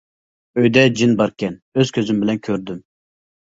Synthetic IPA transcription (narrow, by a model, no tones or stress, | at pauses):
øjd̪ɛd͡ʒinbɑɾkʲɛnøz̥kʲʰøzymbɪlɛnkʲʰøɾd̪ym